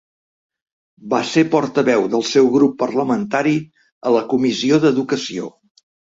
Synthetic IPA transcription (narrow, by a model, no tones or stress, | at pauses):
basepɔɾt̪əβɛwðəlˠsɛwɣɾupːərləmənt̪aɾi | ələkumisioðəðukəsio̰